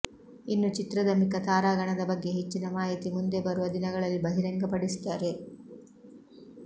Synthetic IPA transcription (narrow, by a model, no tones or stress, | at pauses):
inːut͡ʃit̪ɾɐd̪ɐmikɐt̪aːɾaːɡɐɳɐd̪ɐbɐɡːe̞ɦet͡ʃːinɐmaːɦit̪imund̪e̞bɐɾuʋɐd̪inɐɡɐɭɐlːibɐɦiɾɐŋɡɐpɐɽist̪ːaːɾe̞